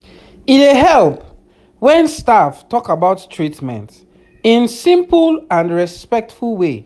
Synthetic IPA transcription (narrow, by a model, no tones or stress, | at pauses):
ieɦɛlp | wɛ̃nstaftɔkabaʊttʰɹitmɛ̰̃nt | ĩnsĩmplãnɹɛspɛk̚tfulwe